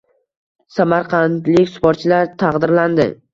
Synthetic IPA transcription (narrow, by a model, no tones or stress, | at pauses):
samaɾqʰɑnt̪lɪkʲsʊ̥pɒt̪̚t͡ʃʰɪlaɾt̪ʰɑqd̪ɪɾland̪ɪ̰